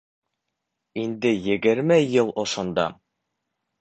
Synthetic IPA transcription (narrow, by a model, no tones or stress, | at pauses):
ind̪ɘjɘ̆ɡɘ̆ɾmɘjɤlˠŏʃŏnd̪ɑ̰